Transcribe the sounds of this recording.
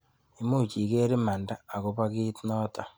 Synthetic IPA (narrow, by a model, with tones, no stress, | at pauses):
i˨mu˦˨t͡ʃi˨ɣe˦ɾe˦ma˨ndaː˦˨ɣo˦βa˦ɣi˦tno˦ta˨